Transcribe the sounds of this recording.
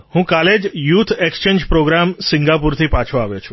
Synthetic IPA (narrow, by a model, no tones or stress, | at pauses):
hũkaled͡ʒjut̪ʰekst͡ʃeɲd͡ʒpɾoɡɾamsiŋɡapuɾt̪ʰipat͡ʃʰoaʋjot͡ʃʰu̥